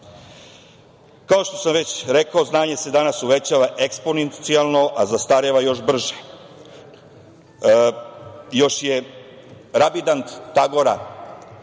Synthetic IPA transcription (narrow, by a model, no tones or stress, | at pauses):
kao̞ʃt̪o̞̥samʋet͡ɕɾe̞kao̞znaːɲe̞se̞d̪anasuʋe̞t͡ɕaʋaʔeksponent̪sialˠno̞ʔazast̪aɾeʋajo̞ʃbr̩ʒe | jo̞ʃje | ɾabid̪ant̪ːaɡo̞ɾa